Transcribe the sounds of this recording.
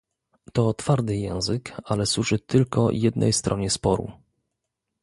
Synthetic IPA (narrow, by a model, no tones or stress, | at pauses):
t̪ɔːt̪faɾt̪ɘjɛ̃w̃zɘkalɛswuʐɘt̪ɘlkɔ̰jɛd̪nʔɛ̰jst̪ɾʔɔɲɛspɔɾṵ